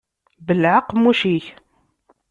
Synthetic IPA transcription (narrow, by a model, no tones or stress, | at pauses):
bəlʕəqːmuʃiç